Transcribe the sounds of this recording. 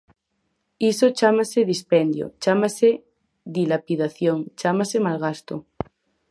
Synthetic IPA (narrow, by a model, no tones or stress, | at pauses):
isot͡ʃamaseðispend̪jo̰t͡ʃamase | ðilapiðaθjoŋt͡ʃamasemalɣast̪o